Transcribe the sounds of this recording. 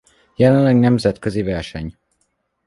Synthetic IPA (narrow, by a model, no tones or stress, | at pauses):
jɛlɛnlɛɡnɛmzɛt̪køzivɛrʃɛɲ